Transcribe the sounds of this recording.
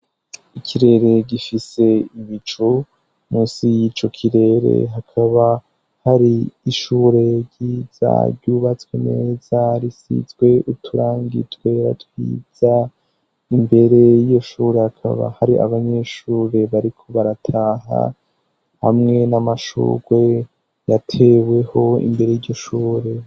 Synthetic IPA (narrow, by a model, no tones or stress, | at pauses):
ikʰiɾe̞ɾe̞ɡifise̞iβit͡ʃo | muːsijit͡ʃo̞kʰiɾe̞ɾḛɦakʰaβa | haɾiːʃuːɾe̞ɾɟiːz̥a̰ɾɟuβat͡swenḛːzaɾisḭzɡwe̞utʰuɾaːŋɡḭtwe̞ɾa̰twḭːz̥a | imbe̞ɾe̞jijo̞ʃuːɾe̞hakʰa̰βa̰haɾiʔa̰βaɲe̞ʃuːɾe̞βaɾikʰo̞βaɾatʰaːɦa̰ | ha̰mŋe̞namaʃṵːɡwe̞ | jatʰe̞we̞ho̞ḭmbe̞ɾejiɟo̞ʃuːɾe̞